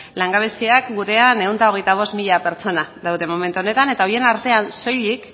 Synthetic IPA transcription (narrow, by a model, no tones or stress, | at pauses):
laŋɡaβ̞esiakɡuɾe̞ane̞unt̪aoɣe̞jt̪aβ̞o̞st̪miʎape̞ɾt͡so̞naðawðe̞mo̞me̞nt̪uo̞ne̞t̪ane̞t̪aoje̞naɾt̪e̞anso̞jlik